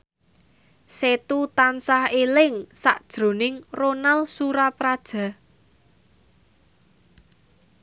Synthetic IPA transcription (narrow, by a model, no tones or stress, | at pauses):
set̪ut̪ansahelɪŋsaʔd̥ʒ̥ɾo̤nɪŋronalsuɾapɾad̥ʒ̥ä̤